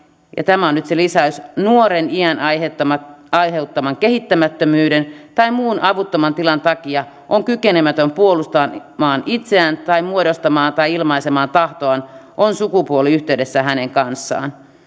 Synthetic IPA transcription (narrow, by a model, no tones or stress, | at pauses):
jɑ̰t̪æmæonyt̪selisæysnuoɾeniæn | ɑjɦeut̪ːɑmɑŋkeɦit̪ːæmæt̪ːømyːdent̪ɑimuːnʔɑʋut̪ːomɑnt̪ilɑnt̪ɑkiɑ | ʔoŋkykenemæt̪ømpuolust̪ɑmɑːnit̪seænt̪ɑimuodost̪ɑmɑːnt̪ɑjilmɑisemɑːnt̪ɑht̪oɑnʔonsukupuoliyçt̪eyde̞sːæɦæneŋkɑnsːɑ̰ːn